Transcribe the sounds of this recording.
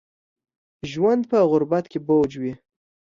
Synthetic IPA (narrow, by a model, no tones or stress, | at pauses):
ʒwand̪̚pəɣʊɾbat̪kebod͡ʒwi